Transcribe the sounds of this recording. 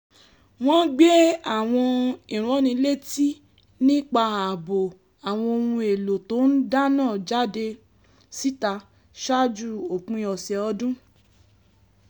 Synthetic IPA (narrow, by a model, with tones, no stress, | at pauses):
w̃ɔ̃˦ɡ͡be˦a˦˨w̃ɔ̃˧ĩ˨ɾ̃ɔ̃˨˦nĩ˧le˦˨ti˦ | nĩ˦k͡pa˧a˨bo˨ | a˨w̃ɔ̃˧o˧hũ˧e˨lo˨to˨˦n̩˦da˦nãː˦˨d͡ʒa˦de˧ | si˦ta˧ | ʃa˦d͡ʒu˦˨o˨kũ˧˦˧ɔ˨sɛ˨ɔ˧dũ˦